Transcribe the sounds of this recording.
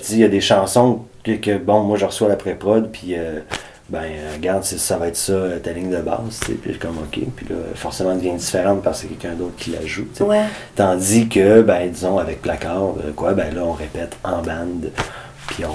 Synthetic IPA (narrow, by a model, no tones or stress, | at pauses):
t͡sejad̪eʃɑ̃sɔ̃kəkʲəbɔ̃mwaʒəʁəswad̪apʁɛpʁɔd̪pʰiø | bɛ̃ʁɡaʁd̪sesavaɛt̪sɔt̪alɪŋd̪əbɑ̰ːzt͡sḛpikɔmɔkʲʰḛpɥilʌ̰fɔʁsemɑ̃d̪əvjɛ̃d͡zifeʁɑ̃t̪̚paʁssekʲɛlkʲœ̃d̪oʊt̪χkʲʰila̰ʒut͡sewɛt̪ɑ̃d͡zikʲəbɛ̃d̪izɔ̃avɛk̚plakɑːʁd̪ə̰kwabɛ̃lʌɔ̃ʁepɛt̪ɑ̃bãnd̪ | pʰiɔ̃